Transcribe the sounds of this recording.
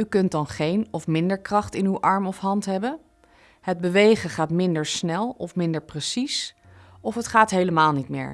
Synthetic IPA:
ykɵntdɑnχejnɔfmɪndəɹkrɑχtɪnywʔɑɹmɔfɦɑntɦɛbən | həd̚bəʋejχəχaːtmɪndəɹsnɛlˠɔfmɪndəɹprəsis | ɔfətχaːtɦejləmaːlˠnitmɪ̰ːɹ

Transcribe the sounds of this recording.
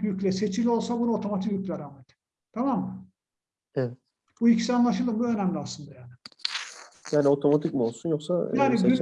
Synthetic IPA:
jycʲlʲɛset͡ʃʰilʲio̞lˠsabunuo̞t̪ʰo̞mat̪ʰikjycʲlʲɛɾaːmet̪ | t̪ʰamamːɯ | evɛt̪ | b̥uicʰi̥sianlˠaʃ̬ɯlˠɯmbuø̞næmlʲiaslɯnd̪ajaːnɪ | jaːnio̞t̪ʰo̞mat̪ʰicmo̞lˠsunjo̞ksa̰jaːniɡy

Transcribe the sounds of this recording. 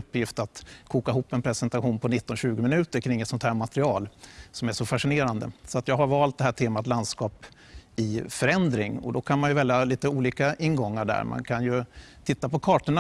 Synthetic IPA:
ɵpːjɪft̪at̪kʰuːkaɪɦupːɛnpʰɾɛsɛnt̪aɧuːnpʰɔnɪt̪ːɔnɕʉ̟ːɡəmɪnʉ̟ːt̪əɾkʰɾɪŋːɛt̪sɔnt̪hæːɾmat̪ɾɪɑːlsɔmæʂɔfaʂɪneːɾand̪ə̰sɔat̪jɑːɡɦaɾvɑːlt̪̚d̪ɛɦæːʈʰeːmat̪land̪skɑːp | ɪfœɾɛnd̪ɾɪŋɔ̰d̪ɔkʰanmanjɵvɛljaliːt̪əuːliːkaɪnːɡɔŋːaɖæ̰ːɾmʔa̰nkʰanjɵt̪ʰɪt̪ːapɔkʰɑːʈəɳa

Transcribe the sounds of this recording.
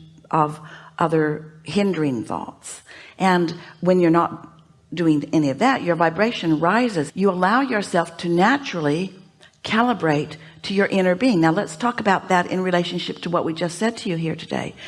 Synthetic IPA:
ʔʌvʔʌðə˞hɪ̃ndə˞ɪ̃ŋθɔ̰tsʔɨ̃nwɨ̃njə˞nət̚ | d̥ʉɪ̃ŋɛniʌvðɨʔə˞vaɪbɹeɪʃɨ̃nɹaɪzɨzjɨəlaʊjə˞sɛlˠftʰɨnæt͡ʃɹl̩ˠi | kʰælˠəbɹeɪtʰ | ɨjə˞ʔɪ̃ñə˞biɪ̃ŋnaʊlətstʰɔkəbaʊt̪̚ðɨɾɪ̰̃nɹileɪʃɨ̃n̩ʃɪp̚tʰəwʌʔwid͡ʒʌstsɛd̚tʰɨjɨɦiɹɾʰɨdḛɪ

